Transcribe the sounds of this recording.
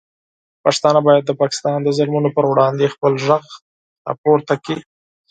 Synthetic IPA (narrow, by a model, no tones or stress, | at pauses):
pakst̪ɑnabɑjad̪̚ːəpɑkɪ̥st̪ɑnd̪əzʊlmunopəɾwɽɑnd̪expəlʒəɣ | ɑ̰poɾt̪aki